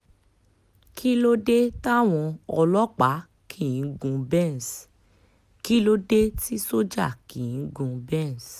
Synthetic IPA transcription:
kʰi˦lo˦de˦ta˦˨w̃ɔ̃˧ɔ˧lɔ˦k͡pa˨˦ | kʰi˦˨ĩ˨˦ɡũ˧bɛ̃˦˨n˨s | ki˦lo˦de˦ti˦so˦d͡ʒa˦˨ki˨ĩ˨˦ɡũ˧bɛ̃˦˨n˨s

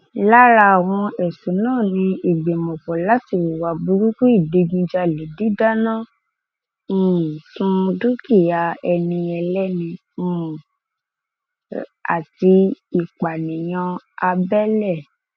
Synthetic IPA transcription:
la˦ɾa˧˨w̃ɔ̃˧ɛ˨su˨˦nãː˦˨nĩ˧i˨ɡ͡be˨mɔ̃˨fɔ˨la˦ti˦˨wwa˨bu˧ɾu˦ku˦i˦˨de˧ɡĩ˧d͡ʒa˧˨le˨˦di˦da˦nã˦˨ | sũ˦˧du˦ki˦˨ja˧ɛ˧nĩ˧ɛ˧lɛ˦nĩ˧ | ũ˦˨ | a̰˨ti˧i˨k͡pa˨nĩ˨j̃ã˧a˧bɛ˦lɛ˦˨

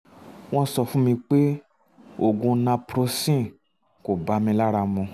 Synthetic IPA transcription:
w̃ɔ̃˧sɔ˧fũ˦mĩ˧k͡pe˦ | o˨ɡũ˧nã˧pɾo˧sĩ˦˨ | ko˨ba˨˦mĩ˧la˦ɾa˧mũ˧

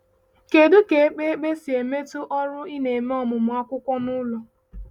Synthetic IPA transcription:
ke˨dʊ˦ke˨e˦k͡pe˦e˦k͡pe˦si˨e˨me˦tʊ˦ʔɔ˦ɾʊ˦i˦ne˨me˦ɔ˦mʊ˨mʊ˨a˦kʷʊ˦kʷɔ˦nʊ˦lɔ˨

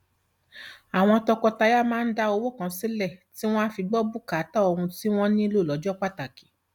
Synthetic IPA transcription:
a˨w̃ɔ̃˧tɔ˧kɔ˧ta˧ja˦mãː˦n̩˦da˧o˧wo˦˨kã˧˦si˦lɛ˦˨ti˦w̃ɔ̃˦a˦fi˧ɡ͡bɔ˦bu˦ka˨˦ta˦o˧ɾũ˧ti˦w̃ɔ̃˦nĩ˦lo˦˨lɔ˨˦d͡ʒɔ˦k͡pa˦˨ta˨ki̥˨˦

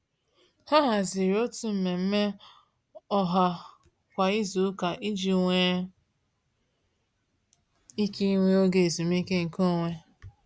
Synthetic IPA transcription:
ha˦ɦa˨zi˨ɾi˨o˦tu˨m̩˨me˨m̩˦me˦ | ɔ˦ɦa˨ | kʷa˨i˦zu˨˦ka˨ʔi˦d͡ʒi˨ŋʷe˨˦ | i˦ki˦ŋʷe˦o˦ɡe˨zu˨m̩˦i˦ke˦ŋ̩˨ko˦˨ŋʷe˦

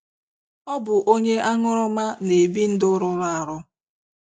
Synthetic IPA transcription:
ɔ˦bʊ˨ʔo˦ɲe˦ʔa˦ŋʊ˦ɾʊ˦ma˦ne˨bi˦n̩˦dʊ˦ɾʊ˦ɾa˨ɾʊ˦

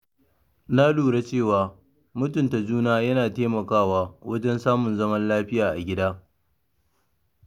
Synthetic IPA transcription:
na˦luː˨ɽe˦t͡ʃeː˦˨waː˨ | mʊ˦tʊ˨nta˨d͡ʒuː˦naː˦jɐ˦naː˨teː˦mɐ˨kaː˦˨waː˦wʔɐ˦d͡ʒɛ˦nsaː˦mʊ˨nzɐ˦mɐ˦nlaː˦ɸɪ˦jaː˨ʔa˨ɡʲɪ˦daː˦

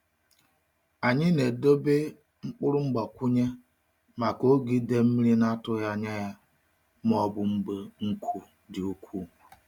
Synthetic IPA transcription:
a˨ɲɪ˦ne˨do˦be˦ | ŋ͡m̩˦k͡pʊ˦ɾʊ˦ŋ͡m̩˦ɡ͡ba˨kʷu˦ɲe˦ | ma˨ko˦ɡi˦de˦m̩˦mi˦ɾi˦na˦tʊ˦ja˦ɲa˦ja˦ | m˦ɔ˦bʊ˨ŋ͡m̩˦ɡ͡be˦ŋ̩˦kʰu˦ | dɪ˨o˦kʰʷu˦˨

